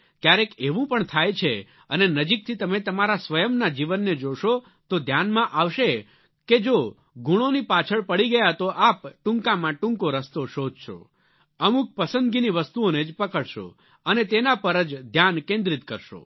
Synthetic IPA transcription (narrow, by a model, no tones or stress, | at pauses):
kjaɾekeʋũpəɳt̪ʰajt͡ʃʰe | ənenəd͡ʒik̚t̪ʰit̪əmet̪əmaɾasʋəjəmnad͡ʒiʋənːed͡ʒoʃo | t̪od̪ʱjanmãʔaʋʃe | ked͡ʒo | ɡuɽ̃onipat͡ʃʰəɭpəɽiɡəjat̪oʔapʈũŋkãmãʈũŋkoɾəst̪oʃod̪ʱʃo̰ | əmuk̚pəsə̃nd̪ɡiniʋəst̪uoned͡ʒpəkəɽʃo̰ | ənet̪enapəɾəd͡ʒd̪ʱjankẽnd̪ɾit̪kəɾʃo̰